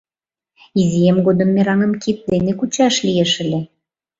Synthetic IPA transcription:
izʲijemɡod̪ə̆mːeɾɑŋə̆mkit̪̚d̪enekut͡ɕɑʃlijeʃəlʲe

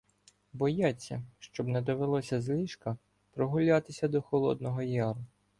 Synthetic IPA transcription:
bɔjat͡sʲːɐ̰ʃt͡ʃɔbnɛd̪ɔʋelˠɔsʲɐzlʲiʃkɐ | pɾɔɦʊlʲat̪ɪsʲɐd̪ɔxɔlˠɔ̰d̪nɔɦɔjɑɾʊ

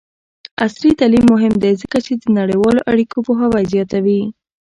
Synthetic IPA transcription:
aslit̪alimːʊɦɪmd̪ezəkat͡ʃed̪ənaɽəjwɑloʔaɽikopoɦawazjɑt̪awi

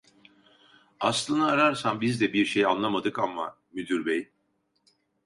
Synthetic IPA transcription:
aslˠɯnaːɾaɾsambizd̪ɛbiɾʃejanlˠamad̪ɯkamːa̰ | myd̪yɾbej̪

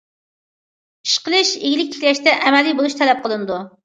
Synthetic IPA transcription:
i̥ʃqəlˠɨʃeɡʲilɪk̚ʲt̪ʰi̥kʲlɛʃt̪ɛʔɛmɛlijbolˠuʃt̪ʰɛlɛp̚qʰəlˠɨnɨd̪u

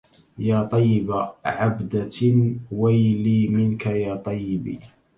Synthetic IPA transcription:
jaːt̪ˤɑjːɪbaʕabd̪a | wajliːmɪnkajaːt̪ˤɑjːɪbḭː

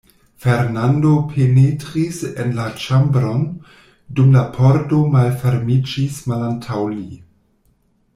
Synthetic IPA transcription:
feɾnando̞pʰenetɾisenlat͡ʃambɾo̞n | dumlapʰoɾdo̞malfeɾmid͡ʒismalantʰawli

